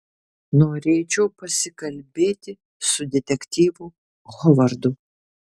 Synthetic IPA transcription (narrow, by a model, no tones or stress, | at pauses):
noːɾʲeːt͡ʃʲɛʊpɐsʲɪkɐlʲbʲeːt̪ʲɪ | sʊd̪ʲɛt̪ʲɛkʲt̪ʲiːʋʊ | ɣɔʋɐɾd̪ʊ